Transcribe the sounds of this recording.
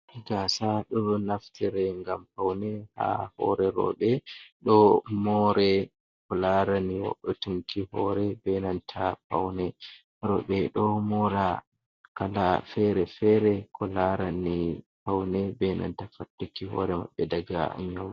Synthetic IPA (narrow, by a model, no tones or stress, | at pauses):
ɡasaɗɔnaftʰiɾɛŋɡampawnɛha̰hɔ̰ɾɛɾɔ̰ɓɛɗɔmɔɾɛ | kɔlaɾaniwɔ̰ɗːɔtuŋkihɔɾɛbɛnantʰapawnɛ | ɾɔɓɛɗɔmɔɾa | kalafɛɾɛfɛɾɛkʰɔlaɾanipawnɛbɛna̰ntafatːukihɔ̰ɾɛma̰ɓːɛdaɡa̰a̰ɲaw